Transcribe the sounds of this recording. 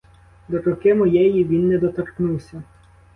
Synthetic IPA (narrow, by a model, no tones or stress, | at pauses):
d̪ɔɾɔkɪmɔjɛjiʋʲinːɛd̪ɔt̪ɔɾknuwsʲɐ